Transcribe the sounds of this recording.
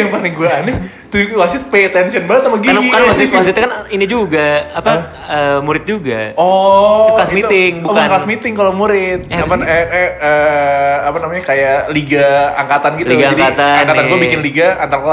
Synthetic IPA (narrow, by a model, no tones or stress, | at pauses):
aŋpaniŋɡuani | t̪uwasʊt̪̚pet̪ɛnsiənbaŋət̪̚namaɡinɡikaasɪwas̬ɪt̪kaninid͡ʒuɡaapa | əmuɾɪt̪̚d͡ʒuɡaɔlasmit̪ɪŋbukanklasmit̪ɪŋkalomuɾɪt̪̚aasanɛə | apanamaɲakajaliɡaaŋkat̪anɡit̪liɡaad͡ʒaŋdikat̪aankat̪anɡuabikɪnliɡaant̪aɾkla